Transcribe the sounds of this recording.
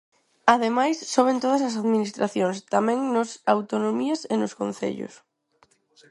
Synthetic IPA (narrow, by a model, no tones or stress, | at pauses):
aðemajsːoβ̞ẽnt̪oð̞ɐsɐs̬aðminist̪ɾaθjõŋst̪amɛ̃ŋnʊsawt̪onõmiɐsenʊskõn̟θḛʎʊ̰s